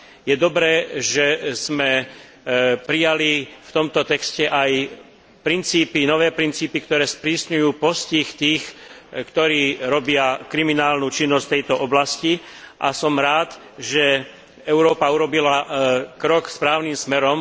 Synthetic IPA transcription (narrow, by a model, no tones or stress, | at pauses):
jɛd̪ɔbɾɛːʒɛz̥mɛ | pɾijalift̪ɔmt̪ɔt̪ɛkscɛʔaj | pɾint͡siːpinɔʋɛːpɾint͡siːpikt̪ɔɾɛːspɾiːsɲujuːpɔsciːxt̪iːxkt̪ɔɾiːɾɔbɪakɾiminaːlnuːt͡ʃinːɔst̪ɛjt̪ɔʔɔblasci | ʔa̰sɔmɾaːt̪ | ʒɛ | ɛʊɾɔːpauɾɔbilakɾɔkspɾaːʊnimsmɛɾɔm